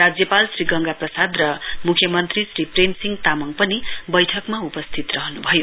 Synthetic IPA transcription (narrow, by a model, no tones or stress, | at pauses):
rad͡zjʌpalsriɡʌŋɡaprʌsad̪rʌmukʰjʌmʌnt̪risripremsiŋɡt̪amʌŋpʌnibʌjʈʰʌkmaupʌst̪ʰit̪rʌɦʌnubʱʌjo